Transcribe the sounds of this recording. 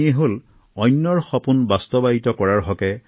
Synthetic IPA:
iɛɦol | ɔjnːɔɹxɔpunbastɔbaɦitɔkɔɹaɹɦɔkɛ

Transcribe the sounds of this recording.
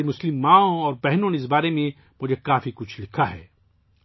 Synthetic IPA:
mʊslɪmːãːõɔːɾbɛɦnõneɪs̬baːɾemẽ | mʊd͡ʒʱekaːfikʊt͡ʃʰlɪkʰaɦɛ̰ː

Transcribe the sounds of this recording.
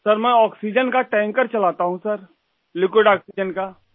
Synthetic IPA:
sɐɾmɛ̃ɔːksid͡ʒənkaʈɛ̃ːŋkəɾt͡ʃɐlaːt̪aɦũsɐɾ | lɪkwɪɖaːksid͡ʒənka

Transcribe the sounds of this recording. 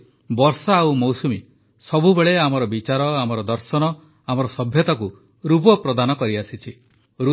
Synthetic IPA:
bɔɾsaːwmɔwsumi | sɔbubeɭeamɔɾɔbit͡ʃaɾɔamɔɾɔd̪ɔɾsɔnɔ | amɔɾɔsɔbʱjɔt̪aku | ɾupɔpɾɔd̪anɔkɔɾiasit͡ʃʰi | ɾu

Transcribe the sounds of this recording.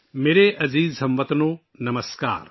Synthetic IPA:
meːɾeʔɐziːzsɐ̃mʋət̪noː | nɐməska̰ːɾ

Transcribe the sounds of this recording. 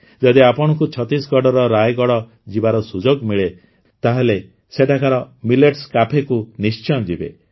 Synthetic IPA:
d͡ʒɔd̪iapɔɽ̃ɔkut͡ʃʰɔt̪isɡɔɽɔɾɔɾajɡɔɽɔ | d͡ʒibaɾɔsud͡ʒoɡmiɭe | t̪aɦele | seʈakaɾɔmileʈskapʰekunist͡ʃɔd͡ʒibḛ

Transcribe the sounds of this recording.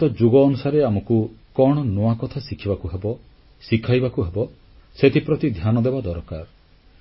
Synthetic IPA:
t̪ɔd͡ʒuɡɔːnusaɾeamɔkukɔɽ̃ɔnowakɔt̪ʰasikʰibakuɦebɔ | sikʰajbakuɦebɔ | set̪ʰipɾɔt̪id̪ʱjanɔd̪ebad̪ɔɾkaɾ

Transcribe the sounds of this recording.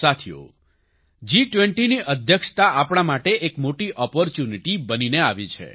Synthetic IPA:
at̪ʰjo̰ | d͡ʒiʈʋeɳʈiniʔəd̪ʱjəkʃt̪aʔapɽ̃amaʈeʔekmoʈiʔɔpɔɾt͡ʃjuniʈibənineaʋit͡ʃʰḛ

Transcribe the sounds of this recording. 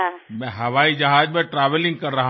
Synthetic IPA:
mɛ̃ɦɐʋaːid͡ʒɐɦaːd͡ʒmẽʈɾaːʋəlɪ̃ŋɡ̚kɐɾːɐɦa

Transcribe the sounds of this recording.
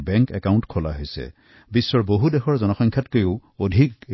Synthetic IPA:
bɛŋkɛkaw̃ntkʰɔla̰ɦojsɛ̰ | bisːɔɹboɦudɛxʰɔɹzɔnɔxɔŋkʰjatkojoʊodʱik

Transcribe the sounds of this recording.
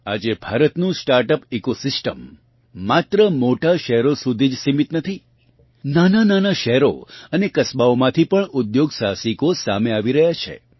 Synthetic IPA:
a̰d͡ʒebʱaɾət̪nũsʈaɾʈəpikosɪsʈəmː | at̪ɾəmoʈaʃɛɦɾosud̪ʱid͡ʒsimit̪nət̪ʰi | nanananaʃɛɦɾo̰ənekəsbaomãt̪ʰipəɳʊd̪joɡsasikosa̰meaʋiɾəɦjat͡ʃʰḛ

